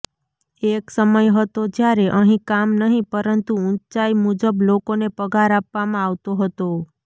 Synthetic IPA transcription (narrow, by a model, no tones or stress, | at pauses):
eksəməjɦət̪od͡ʒjaɾeʔəɦĩkamnəɦĩpəɾənt̪uũt͡ʃaimud͡ʒəblokonepəɡaɾapːamãaʋt̪oɦət̪o